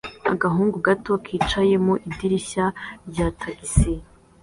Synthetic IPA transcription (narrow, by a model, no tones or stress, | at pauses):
a̰ɡaɦuːŋɡuɡato̞kʰiːt͡ʃaje̞moʔidiɾiɕaɾɟatʰaɡisi